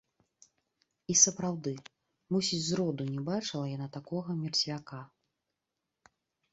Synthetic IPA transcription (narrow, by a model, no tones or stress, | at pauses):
isɐpɾawd̪ɨ | musʲit͡sʲzɾɔd̪unʲɛbat͡ʂɨlˠɐjanat̪akɔɣɐmʲɛrt͡sʲvʲaka